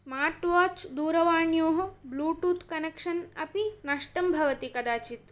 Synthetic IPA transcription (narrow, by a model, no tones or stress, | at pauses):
smaːɾʈʋaːt͡ʃd̪uːɾɐʋaːɳjoːɦɐbluːʈuːt̪kɐnekʂɐnɐpinɐʂʈɐmbʱɐʋɐt̪ikɐd̪aːt͡ʃit̪